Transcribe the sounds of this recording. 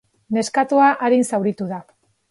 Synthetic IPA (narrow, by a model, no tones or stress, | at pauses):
ne̞skat̪uaʔaɾinsawɾit̪uða